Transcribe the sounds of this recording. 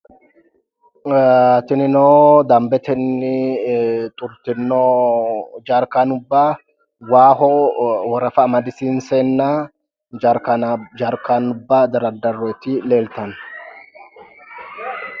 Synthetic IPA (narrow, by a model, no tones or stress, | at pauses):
t̪ɪnɪnoːd̪ɐmbɛt̪ɛnːɪ | t̪ʼʊɾt̪ɪnːo | d͡ʒaːɾkaːnʊbːaː | waːhɔwɔɾɐfɐːmɐd̪ɪsiːnseːnːaː | aːɾkaːnʊbːaːd̪ɐɾɐd̪ɐɾot̪ɪleːlt̪ɐn